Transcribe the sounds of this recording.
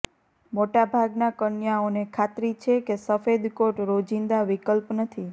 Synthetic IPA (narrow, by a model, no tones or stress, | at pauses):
moʈabʱaɡnakənjaonekʰat̪ɾit͡ʃʰekesəfed̪koʈɾod͡ʒind̪aʋikəlpnət̪ʰi